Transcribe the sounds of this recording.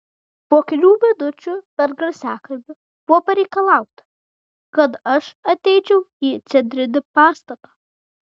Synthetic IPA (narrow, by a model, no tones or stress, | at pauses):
poːkʲɛlʲuːʋʲɛd̪ʊt͡ʃʲʊpʲɛɾɡɐɾʲsʲæːkɐlʲbʲɪ | b̥ʊʋɔpɐɾʲɛɪkɐlˠɑˑʊt̪ɐ̥ | kɐt̪ɐʃɐt̪ʲɛɪt͡ʃʲɛʊiːt̪sʲɛd̪ʲɾʲɪd̪ʲɪpɑːst̪ɐt̪ɑː